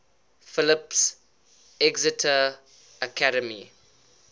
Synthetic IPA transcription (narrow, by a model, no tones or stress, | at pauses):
fɪlɪps | ɛɡzɪtʰə | əkʰaɾəmḭ